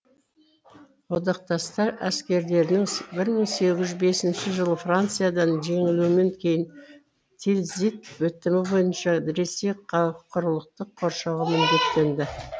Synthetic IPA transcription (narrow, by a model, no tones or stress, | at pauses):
wod̪ɑq̚t̪ɑst̪ɑɾæskʲe̞ɾd̪e̞ɾɪnɪŋbɪɾməɴse̞ɡʲɪʒʏzbe̞sɪnʃɪʒəlˠəfrant̪sɨjad̪ɑnʒe̞ŋɪlumeŋkʲʰe̞jɪn | t̪ʰelzit̪̚wɵt̪ːɪmɪbo̞jənʃɑd̪ɪɾe̞seɑqʰːʊɾəlˠəq̚t̪əqʰːo̞ɾʃɑʁɑmʏnd̪e̞k̚t̪ːe̞nd̪ɪ